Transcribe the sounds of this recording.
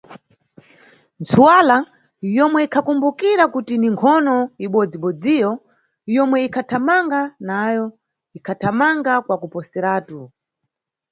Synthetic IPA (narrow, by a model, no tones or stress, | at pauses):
nt͡sʰuwala | jɔmwɛikʰakumbukiɾakutiniŋkʰɔnɔiɓɔd͡ziɓɔd͡zijɔ | jɔmwɛikʰatʰamaŋɡanajɔ | ikʰatʰamaŋɡakwakupɔsɛɾaːtu